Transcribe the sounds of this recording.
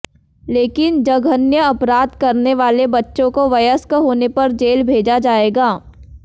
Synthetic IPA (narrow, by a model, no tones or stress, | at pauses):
leːkɪnd͡ʒɐɡʱənjəɐpɾaːd̪kɐɾneʋaːlebɐtːʃõkoʋɐjəskəɦoːnepɐɾd͡ʒeːlbʱeːd͡ʒad͡ʒaːeːɡaː